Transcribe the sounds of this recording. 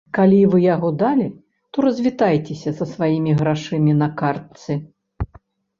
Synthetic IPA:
kalʲivɨjaɣɔd̪alʲi | t̪ɔɾɐzʲvʲit̪ajt͡sʲesʲɐsɐsvajimʲiɣɾaʂɨmʲinɐkart̪sɨ

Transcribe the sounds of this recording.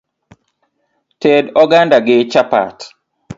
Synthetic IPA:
tɛdɔɡandaɡɪt͡ʃapa̰t

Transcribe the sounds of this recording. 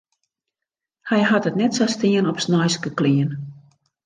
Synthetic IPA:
hɛjɦatətnɛtsastiənɔpsnɔjskəkliən

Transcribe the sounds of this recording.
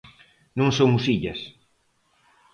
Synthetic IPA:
nõŋsomʊsiʎɐs

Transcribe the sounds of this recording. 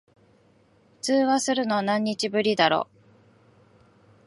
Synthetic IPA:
ɸɯ̟̥t͡sɨːβasɨɾɯ̟no̞nãɲ̟ːit͡ɕibɯ̟ɾʲid̪aɾo̞̰ː

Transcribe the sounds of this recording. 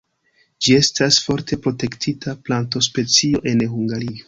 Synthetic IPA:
d͡ʒie̞stasfo̞ɾtʰe̞pɾo̞te̞ktʰitʰaplanto̞spe̞t͡sio̞ʔe̞nhuŋɡaɾio

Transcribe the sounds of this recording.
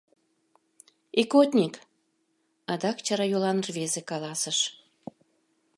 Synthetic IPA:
ekot̪ʲnʲik | ɑd̪ɑkt͡ɕɑɾɑjolɑnrβezekɑlɑsəʃ

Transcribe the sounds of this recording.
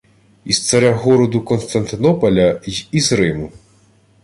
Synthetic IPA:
ist̪sɐɾʲaɦɔɾɔd̪ʊkɔnst̪ɐnt̪ɪnɔpɐlʲɐizɾɪmʊ

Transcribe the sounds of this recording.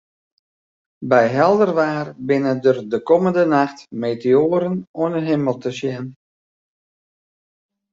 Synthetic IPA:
bɛjɦɛlˠdərʋaːrbɪnədərdəkɔməndənaxtmeːtɪoːɾənoənəɦɪməlˠtəsjɛn

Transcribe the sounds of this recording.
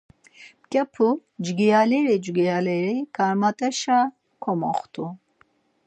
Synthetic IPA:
kʼɛpʰud͡ʒɡijalɛɾid͡ʒɡijalɛɾikʰʼaɾmat̪ʼɛʃa | kʰɔmɔχt̪ʰʼu

